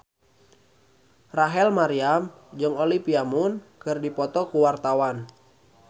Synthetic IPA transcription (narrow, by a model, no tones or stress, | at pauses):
raɦɛlmaɾiam | d͡ʒɨŋolipiamunkɨrdipɔt̪ɔkuwart̪awan